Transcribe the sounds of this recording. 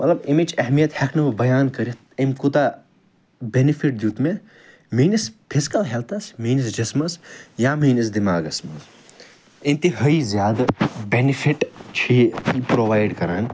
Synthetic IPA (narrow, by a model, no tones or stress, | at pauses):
mɐt̪lɐbimid͡ʒɐɦmijɐt̪hekʰnɐʋɐbɐjaːnkɐɾit̪emkut̪a | benipʰiʈ̚d̪juːt̪me | miːnispʰisi̥kɐlɦelt̪ʰɐsmiːnisd͡ʒɐsmɐsjamiːnisd̪imaːɡɐsmɐs | int̪iɦɐizjaːd̪benipʰiʈt͡ʃʰiipɾoʋaːjɖkɐɾaːn